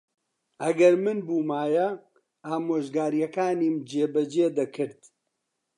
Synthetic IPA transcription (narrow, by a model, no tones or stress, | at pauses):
ʔɐɡɐɾmɨnbuːmaːjɐ | aːmoːʒɡaːɾijɐkaːniːmd͡ʒeːbɐd͡ʒeːd̪ɐkʰɨɾd̪